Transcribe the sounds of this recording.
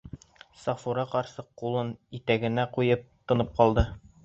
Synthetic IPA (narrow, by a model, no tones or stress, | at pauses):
sɑfuɾɑqɒɾsɤqqːulˠɤnit̪æɡɘ̆næqujɤp̚t̪ɤ̆nɤp̚qɒlˠd̪ɤ